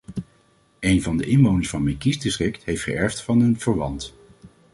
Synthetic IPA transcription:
ejnvɑndəʔɪnʋownəɹsfɑnmejkisdɪstrɪktɦejftχə̰ɛɹftfɑnɦənv̥əɹʋɑnt

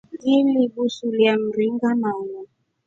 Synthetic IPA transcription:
dilibusuliam̩ɾiŋɡanaŋɔ

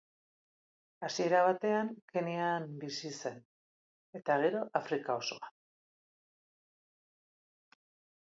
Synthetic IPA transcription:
asie̞ɾaβ̞at̪e̞aŋke̞neanbisise̞n | e̞t̪aɣ̞e̞ɾo̞ʔafɾikao̞so̞an

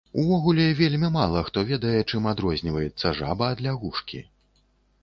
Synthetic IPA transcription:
uvɔɣulʲɛvʲelʲmʲimalˠɐxt̪ɔvʲɛd̪ɐjɛt͡ʂɨmad̪ɾɔzʲnʲivɐjɛt̪sːɐʐa̰bɐːd̪lʲaɣuʂkʲḭ

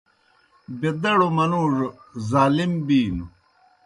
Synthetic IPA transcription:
bed̪ɐɽomɐnuʐzaːlimbiːnu

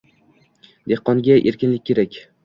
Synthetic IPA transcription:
d̪e̞hqɒŋɡʲaʔe̞ɾkʲɪnlɪk̚ʲʰːe̞ɾakʲ

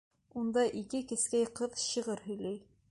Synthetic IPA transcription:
und̪ɑʔikɘkɘ̆skæjqɤðɕɤ̆ʁɤɾhɵ̆jlæj

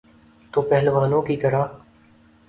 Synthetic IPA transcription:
t̪oːpɛɦlʋaːnõːkiːt̪əɾaː

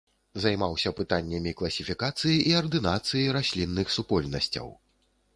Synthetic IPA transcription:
zɐjmawsʲɐpɨt̪anʲːɐmʲiklˠɐsʲifʲikat̪sɨjiʔiɐrd̪ɨnat̪sɨjiɾasʲlʲinːɨxsupɔlʲnɐsʲt͡sʲɐ̰w

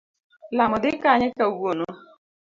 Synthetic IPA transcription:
lamʊd̪ɪkaɲɪkaɡono

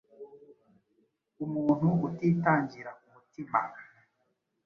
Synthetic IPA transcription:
umuːn̥huutiːtaːɲɟiɾakumutima̰

